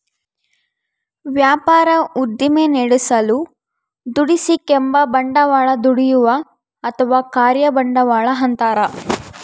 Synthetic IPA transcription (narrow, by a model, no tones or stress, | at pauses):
ʋjaːpaːɾɐud̪ːimeneɽusɐlu | d̪uɽisikembɐbɐɳɖɐʋaːɭɐd̪uɽijuʋɐ | ɐt̪ʰɐʋaːkaːɾjɐbɐɳɖɐʋaːɭɐɦɐnt̪aːɾɐ